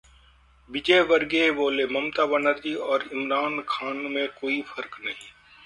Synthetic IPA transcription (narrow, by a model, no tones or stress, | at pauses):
bɪd͡ʒeʋɐɾɡeboːlemɐmt̪aːbənəɾd͡ʒiɔːɾɪmɾaːnkʰaːnmẽkoːifʰɐɾknɐɦĩː